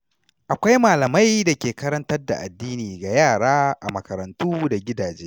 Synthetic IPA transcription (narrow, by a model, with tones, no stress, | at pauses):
ʔa˨kʷa˦jmaː˨lɐ˨ma˦jda˨kʲeː˨kɐ˦ɾɐ˦ntɐ˦rda̰˨ʔa̰˨dːiː˦niː˨ɡa˨jaː˦˨ɽaː˦ʔa̰˨mɐ˨kɐ˨ɾɐ˨ntuː˦da˨ɡʲɪ˦daː˨d͡ʒeː˦